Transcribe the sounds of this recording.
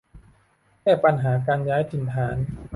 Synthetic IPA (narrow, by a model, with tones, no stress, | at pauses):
kʰɛː˥˩pa˧nɦaː˩˦k̬aː˧njaː˦˥jt̪ʰi˨˩˦nt̪ʰaː˩˦n